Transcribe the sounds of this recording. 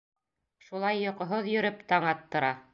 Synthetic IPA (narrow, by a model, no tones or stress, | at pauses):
ʃulˠɑjːŏqŏɦoðjɵ̆ɾɘpt̪ɑɴɑt̪ːŏɾɑ